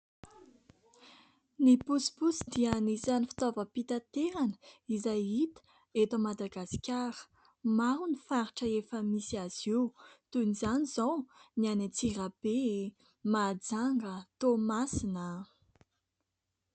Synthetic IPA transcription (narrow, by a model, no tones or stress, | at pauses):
nipusi̥pusid̪iənizanifi̥t̪ovəpit̪at̪eɾanə̥izajit̪ə̥ | et̪omad̪aɡasi̥kʲaɾə̥ | maɾunifaɾiʈ͡ʂəefəmisiaz̥ewt̪unizanizownianat͡sirab̥e | mad͡zaŋɡət̪omasinə